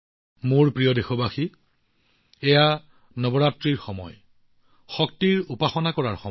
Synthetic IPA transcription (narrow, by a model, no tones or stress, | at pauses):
muɹpɹijɔdexɔbʱaxi | ɛja | nɔbɔɹatɹiɹxɔmɔ̰j | xɔk̚tiɹupaxɔnakɔɹaɹxɔ